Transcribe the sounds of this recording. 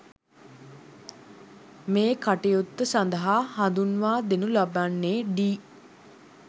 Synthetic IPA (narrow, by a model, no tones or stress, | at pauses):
meːkaʈejot̪ːəsand̪əɦahand̪unʋaːd̪enulabanːeːɖiː